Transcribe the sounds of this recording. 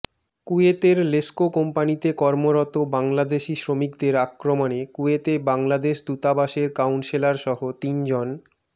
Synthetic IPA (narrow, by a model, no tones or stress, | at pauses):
kuet̪eɾleskokompanit̪ekɔɾmoɾɔt̪obaŋlad̪eʃisɾomikd̪eɾakːɾomonekuet̪ebaŋlad̪eʃd̪ut̪abaʃeɾkawnʃelaɾʃɔɦot̪ind͡ʑon